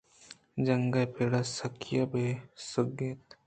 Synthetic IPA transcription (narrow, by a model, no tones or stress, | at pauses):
d͡ʒɐŋɡajpeɽasɐkʰjabesʊɡet̪